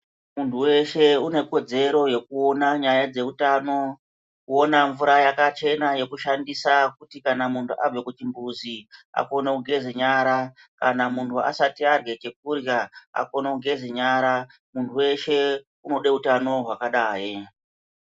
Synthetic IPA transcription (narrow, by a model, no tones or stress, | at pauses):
muntʰuwe̞ʃe̞une̞ko̞d͡ze̞ɾo̞je̞kuo̞naɲajad͡ze̞utaːno̞ | kuonaɱvuɾajakat͡ʃe̞naje̞kuʃandisakutikanamuntʰuʔavekut͡ʃimbuzia̰ko̞neuɡʱe̞ziɲaɾa | kanamuntʰua̰satiarwe̞t͡ʃe̞k̚urjaa̰ko̞nouɡʱe̞zɲaɾa | muntʰuwe̞ʃe̞ | uno̞ɗe̞utano̞ɦwakaɗaːji